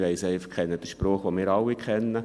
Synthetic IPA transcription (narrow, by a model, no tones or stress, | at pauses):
ʋɛɪsɛɪfɑχkʰːɛnːəd̥əʃprɔːχʋomɪːɾɑlːɪkʰɛnːə